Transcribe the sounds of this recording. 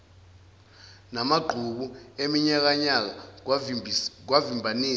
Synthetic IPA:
namaɡ͡ǃʱuk̬uemiɲak̬aɲak̬a | k̬wavimbʱaniː

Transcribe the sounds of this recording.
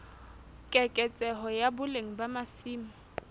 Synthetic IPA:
kʼɛkʼɛt͡sʼɛɦɔjabʊleŋ̩bamasiːmʊ

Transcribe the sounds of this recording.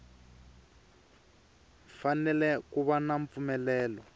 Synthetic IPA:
fanɛlɛkuβanaɱp̪fumɛlɛːlɔ

